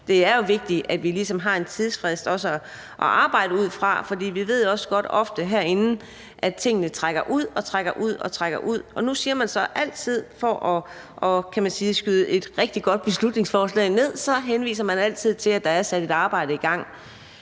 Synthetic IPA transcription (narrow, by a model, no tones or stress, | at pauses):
d̥e̝æɐjo̝ʋe̝ɡ̥̚d̥iʔæd̥ʋilisɒ̽mɦɑ̈ːe̝nt͡sʰið̞ˠsfʁɛsd̥ɒ̽səɒ | ʔɒʔɑ̈ːb̥ɑ̈ɪ̰ɾəuð̰ˠfʁɑ̈fɒ̽dḭːʋiʋe̝ð̞̰joɒ̽sə̥ɡ̥ɒ̽d̥ɒ̽fd̥əɦæɐe̝nn̩ | ʔæt͡sʰe̝ŋ̰ənət͡sʰʁaɡ̥ɐʔuð̰ˠɒ̽t͡sʰʁaɡ̥ɐʔuð̞̰ˠɒ̽t͡sʰʁaɡ̥ɐʔuð̞̰ˠɒ̽nusiːɐmænsɒ̽ʔæl̰t͡sʰið̞̰ˠfɒʔɒ | ʔɒkʰæmænsiːsɡ̥yðˠəʔe̝d̥ʁɛɡ̥̚d̥iɡ̥ɒ̽d̥̚b̥e̝slud̥ne̝ŋsfɒːslɛ̰ːɪne̝ð̰ˠsɒ̽ɦenʋḭːs̬ɐmænæl̰t͡sʰið̞̰ˠt͡sʰe̝læd̥ɑ̈æɐsæd̥e̝d̥ɑ̈ːb̥ɑ̈ɪ̰d̥əiɡ̥ɑ̈ŋ̰